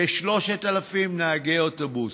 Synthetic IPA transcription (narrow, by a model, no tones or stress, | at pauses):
eʃlo̞ʃetalafimnaaɡeotobus